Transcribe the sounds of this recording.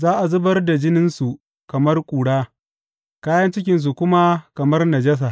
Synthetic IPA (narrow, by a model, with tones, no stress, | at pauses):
zaː˦ʔa˨zʊ˦bɐ˦rda˨d͡ʒɪ˦nɪ˦nsu˨ | kɐ˨mɐ˦rkʷʼuː˨ɽaː˦ | kaː˦jɐ˦nt͡ʃɪ˦k̬ʲɪ˨ns̬u˨kʷʊ˦ma˦kɐ˨mɐ˦rnɐ˨d͡ʒɐ˦s̬aː˨